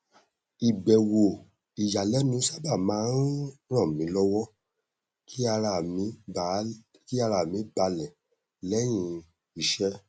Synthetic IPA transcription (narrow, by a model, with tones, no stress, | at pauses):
i˨ɡ͡bɛ˨wo˨ | i˨ja˨lɛ˨˦nũ˨˦sa˦ba˦˨mãː˨˦nɾ̃ã˦˨mĩ˨˦lɔ˦wɔ˦ | ki˦a˧˨mĩ˨˦˨ | ki˦a˧ɾa˨mĩ˨˦ba˧lɛ̃˨ | lɛ˦j̃ĩ˧ | i˧˨ʃɛ˦